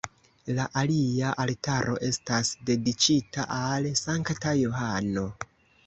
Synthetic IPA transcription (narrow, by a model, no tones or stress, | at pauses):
laʔaliaʔaltaɾʔo̞̰ʔe̞stasde̞dit͡ʃitʰaʔalsaŋktajohano̞